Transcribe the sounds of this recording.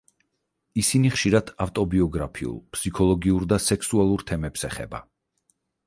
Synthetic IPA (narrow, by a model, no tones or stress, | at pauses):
isiniχʃiɾad̪̥aft̪ʼɔbiɔɡɾapʰiṵlˠpʰsikʰɔlˠɔɡiuɾd̪asɛksualˠuɾt̪ʰɛmɛpsɛχɛ̰ba̰